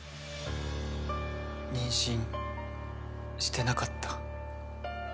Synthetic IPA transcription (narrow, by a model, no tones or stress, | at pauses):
ɲĩɰ̃ɕĩŋ | ɕi̥t̪e̞nakat̪ʰːḁ